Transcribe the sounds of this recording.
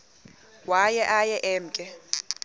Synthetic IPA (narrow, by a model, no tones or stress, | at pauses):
wajɛʔajɛʔɛːm̩kʼɛ